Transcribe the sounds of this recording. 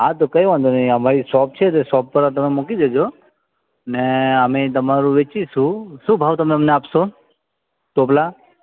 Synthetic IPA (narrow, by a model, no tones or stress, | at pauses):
ɦãt̪̬okəjʋãnd̪onəiəmaɾisɔp̚t͡ʃʰet̪esɔp̚pəɾat̪̬ɐmemokid̪ed͡ʒo | neəmet̪̬ɐmaɾuʋet͡ʃisusũbʱawt̪ɐmemneapso | t̪opla